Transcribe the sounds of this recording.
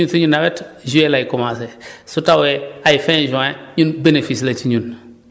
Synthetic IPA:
unsiɲunawɛtʒuelajikɔmãsesutaweaifɛ̃ʒũãɲunbenefislat͡ʃiɲun

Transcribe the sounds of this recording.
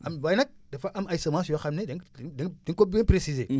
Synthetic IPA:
ambajnak̚dafaʔamaisamas̬iwaxamnedededinkobepɾesize

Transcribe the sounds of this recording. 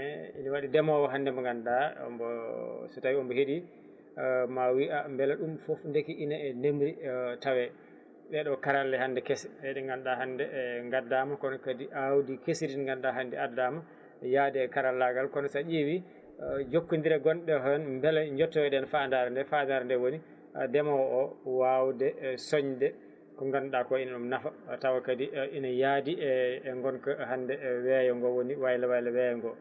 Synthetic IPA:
ɛḭniwaɗidɛmɔwɔɦandɛmɔŋɡanɗaɔ̰mbɔsɛtawiɔmbɔheɗi | mawiʔambɛlɛɗumfɔfndekiʔinaɛnemɾitawɛ | ɓɛɗɔkaɾalːɛhandɛkɛsɛɛɗɛɡanɗaɦandɛŋɡadamakɔnɔkadiʔawdikesidinŋɡanɗaɦandɛadama | jadɛɛkaɾalːaɡalkɔnɔsaʔiwi | d͡ʒokːundiɾɛɡɔnɗɛɦɔnmbɛlɛɲd͡ʒɔtːɔɛɗɛnfandaɾndɛfandaɾndɛwoni | dɛmawɔʔɔwawdɛsɔɲdɛ | kɔŋɡanɗakɔinaɗumnafatawakadiʔinajadiɛːŋɡɔnkahandɛwɛjɔŋɡɔwoniwajlawajlawɛjɔŋɡɔ

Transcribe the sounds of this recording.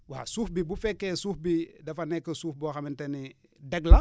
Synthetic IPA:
wasuːfbibufɛkːesuːfbidɐfanɛkːəsuːfboxaminteni | dɛɡla

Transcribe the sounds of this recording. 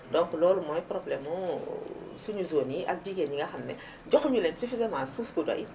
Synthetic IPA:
dɔ̃ŋklɔːlumɔjpɾɔblɛmu | suɲuzoːniʔɐ̰k̚ɟiɡenɲiŋɡɐxɐmnɛ̰ | ɟɔxɲulɛnsifizamãːsuːfkuda̰j

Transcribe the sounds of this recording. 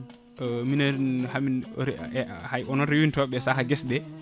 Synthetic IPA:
minahami | hajɔnɔnɾewintɔɓɛsaɦaɡɛsdɛ

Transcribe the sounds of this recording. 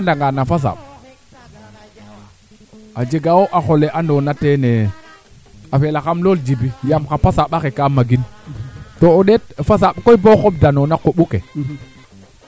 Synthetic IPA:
andaŋɡanafas̬a̰ɓ | ad͡ʒeɡawoʔaxoleʔandonatene | afelaxamlold͡ʒibijamkapasaɓaxekamaɡin | tooɗet̚fas̬aɓkoiboxob̚danonakoɓukḛ

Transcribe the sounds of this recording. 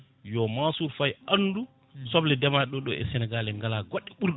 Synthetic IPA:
jɔmasuɾfajʔanːdu | sɔblɛdɛmaɗɔɗɔɛ̰sɛnɛɡalɛŋɡalaɡɔɗːɛɓuɾ

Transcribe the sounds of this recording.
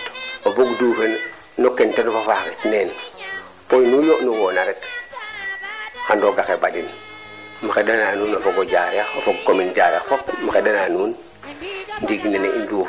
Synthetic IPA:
oboɡduːfen | nokentenofafakitnen | pojnuːnjoʔnuwoːnaɾek | xandoɡaxebaɟin | maxedananuːnofoɡoɟaːjaofoɡ̚kominɟaɾa̰fopmaxedananuːn | ndiɡnineindu

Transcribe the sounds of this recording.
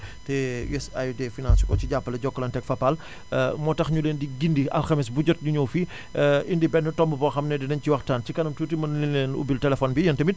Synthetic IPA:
tɛjɛsa̰judɛfinalsukɔt͡ʃiɟapːəlɐɟɔkːəlɐntɛkfɐpal | mɔtɐxɲuleːndiɡindiɐ̰lxɐmis̬buɟɔt̚ɲuɲɔwfi | indibɛnːutɔmbəpɔxɐmnɛdinɐɲciwɐxtaːncikɐnɐmtutimɐnlineːnṵbiltɛlɛfɔːnbijɐntɐmit̚

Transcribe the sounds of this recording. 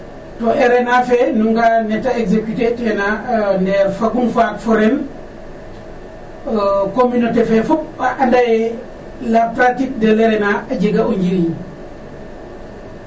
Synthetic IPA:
tɔʔɛɾɛnafɛnuŋɡanɛtaeɡsekitetɛnanɛɾfakunfaːkfɔɾɛn | kominotefɛfup̚aʔandaj | lapɾatik̚deleɾɛnaaɟeɡauɲɟiɾiɲ

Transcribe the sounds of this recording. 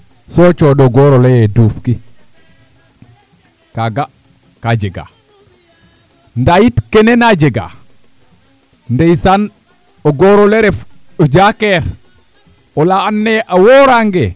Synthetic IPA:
sɔt͡ʃɔɗɔɡɔɾɔlejɛduːfki | kaɡa | kad͡ʒɛɡa̰ | ndajitkɛnɛnad͡ʒɛɡa̰ | ndejsan | ɔɡɔɾɔlɛɾɛfɔd͡ʒakɛɾ | ɔlaːnːɛʔawɔɾaŋɡɛ

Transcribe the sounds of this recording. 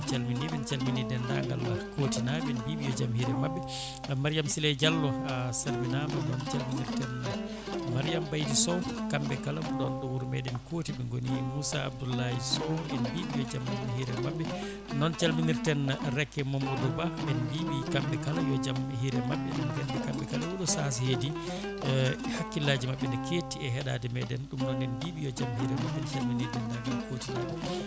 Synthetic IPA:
t͡ʃalminimɛnt͡ʃalminidɛnda̰ŋɡa̰lakotinabɛnbibijɔd͡ʒamhiɾɛmabːɛ | maɾijamsilɛd͡ʒalːɔsaɾbinamɛnɔnt͡ʃalminiɾtɛn | maɾijambajdisɔwkambɛkalamɗɔnɗuwuɾmɛ̰ɗɛnkotibɛŋɡonimusaa̰b̚dulːajisɔɛnbiɓijɔd͡ʒamnhiɾɛmabːɛ | nɔnt͡ʃalminiɾtɛnɾɛkːɛmomudubaɓɛnbiɓikambɛkalajɔd͡ʒamɦiɾɛmaɓːɛ̰ɗɔnhɛndɛkambɛkalawuɗɔsas̬ihedi | hakːilaːd͡ʒimaɓːɛndɛkʰeːtiɛɦɛɗa̰ːdɛmɛɗɛnɗumnɔnɛnbiɓijɔd͡ʒamhiɾɛmaɓːɛnt͡ʃalminiɾdɛndaɡɛnkʰotinaɗɔ

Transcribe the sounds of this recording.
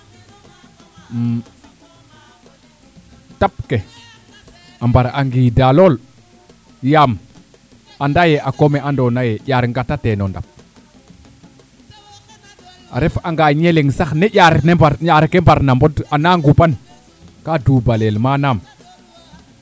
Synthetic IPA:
tap̚ke | ambaɾaŋɡiːdalol | jam | andajeʔakomeʔandonajejaɾŋɡatatenonda̰p̚ | a̰ɾefaŋɡaɲeleŋsaxnejʲaɾneaɾɲaɾkembaɾnambodanaŋɡupan | kaduːbalelmanam

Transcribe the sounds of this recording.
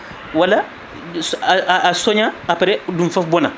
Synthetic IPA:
wala | sːsɔɲaːpɛɾɛdũmfafbɔna

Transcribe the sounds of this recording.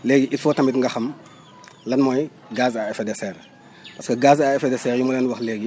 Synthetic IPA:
leːɡiʔitfoːtɐmbitŋɡɐxɐm | lɐnmoj | ɡaːsaefedeseɾ | pɐskɐɡaːzaefedɛseɾjumɐlɛnwɐxleːɡi

